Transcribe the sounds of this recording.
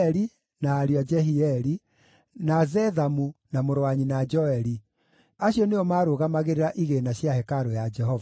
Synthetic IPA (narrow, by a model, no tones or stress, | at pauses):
ɾi | naːɾiad͡ʒɛɦiɛɾi | nazɛðamunamoɾwaɲinad͡ʒɔɛɾi | aɕiɔneɔmaːɾoɣamaɣeɾeɾaʔiɣenaɕjahɛkaɾojad͡ʒɛɦɔva